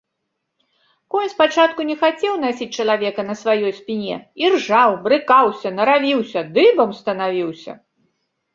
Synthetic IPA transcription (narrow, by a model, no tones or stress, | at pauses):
kɔjnʲspat͡ʂat̪kunʲɛxat͡sʲɛwnasʲit͡sʲt͡ʂɐlˠavʲɛkɐnɐsvajɔjspʲinʲɛ̰irʐawbɾɨkawsʲɐnɐɾavʲiwsʲɐd̪ɨbɐmst̪ɐnavʲiwsʲɐ̰